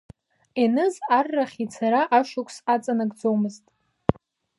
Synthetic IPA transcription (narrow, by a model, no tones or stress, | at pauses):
enɨzarːaχʲit͡sʰaɾaʔaʃʷʊkʷʰsat͡sʼanɨɡʼd͡zowmɨztʼ